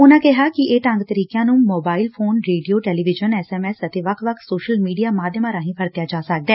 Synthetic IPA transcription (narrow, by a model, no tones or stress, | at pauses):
ʊnãːkɪɦaːkɪeːʈə̃ŋɡt̪əɾiːkjãːnũːmoːbaːɪlpʰoːnɾeːɖijoːʈɛːliːʋɪd͡ʒənɛːsɛːmɛːsət̪eːʋəkʰʋəkʰsoːʃəlmiːɖijaːmaːd̪ʱjəmãːɾãːɦĩːpʰəɾt̪jaːd͡ʒaːsək̚d̪ɛː